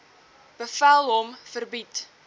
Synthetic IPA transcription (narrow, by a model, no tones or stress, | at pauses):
b̥əfælˠɦɔmfərbit